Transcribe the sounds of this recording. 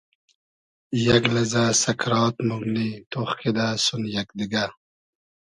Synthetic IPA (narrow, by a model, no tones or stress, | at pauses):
jaɡlɐzasɐkɾɑːt̪muɡnit̪oχked̪asunjak̚d̪iɡa